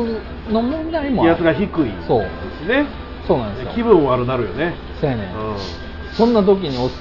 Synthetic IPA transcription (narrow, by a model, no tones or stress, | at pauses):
nomõnd̪aimojat͡sɨɡaçikɯ̟iso̞̰ː | sine | so̞ːnãnd̪ɨjkʲibɯ̟̃ɰ̃oaɾɯnaɾɯ̟jone | senḛ̃ɯ̃ | sõ̞nːat̪̬o̞k̬ʲiɲ̟ios